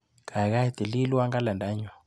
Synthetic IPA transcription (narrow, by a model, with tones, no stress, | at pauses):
kʰa˨i˨ɣa˦i˨t̪i˨li˦lu˦a˦ŋɡa˦lɛ˨nda˨˦ɲɔ˨